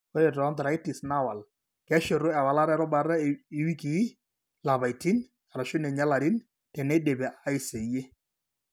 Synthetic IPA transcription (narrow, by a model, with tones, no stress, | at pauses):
o˦ɾe˨tɔ˦nd̪ɾa˨ɪ˦tɪ˨sna˦wa˨l | kɛ˦ʃe˨ɾʊ˦ɛ˨wa˨la˦ɾɛ˦ɾɔ˦ba˨ɾa˦ɪ˨wi˦kɪ˨˦ | la˨ba˨ɪ˨ti˦n | ka˨ɾa˨ʃʊ˦nɛ˨ɲa˦la˨ɾɪ˦n | tɛ˨nɛ˦de˨bɛ˨ʔa˦ɪ˦se˨je˦